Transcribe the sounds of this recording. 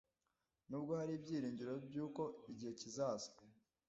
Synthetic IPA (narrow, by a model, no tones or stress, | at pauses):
nuːbɡohaɾibɟiːɾiːɲɟiɾobjuːko̞iɟihe̞cizazḁ